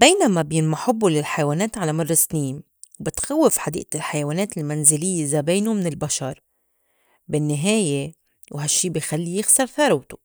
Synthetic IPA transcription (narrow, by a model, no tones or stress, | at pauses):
beːnamabjɪnmaħʊbːulɪlħajawaːneːt̪ʕalamɑrˤːɑsniːm | wbɪt̪xawːɪfħad̪ḭːʔ̪ɪlħajawaːneːt̪ɪlmanzɪlɪjːezabeːnumɪnɪlbaʃɑɾˤ | bɪnːɪɦeːje | wɦaʃːiːbɪjxalːijɪxsɑɾˤθɑɾˤɑwt̪u̥